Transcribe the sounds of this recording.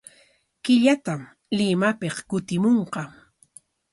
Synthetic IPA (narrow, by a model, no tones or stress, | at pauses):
kɪʎat̪am | lɪmapeqkʊt̪ɪmoɴqɑ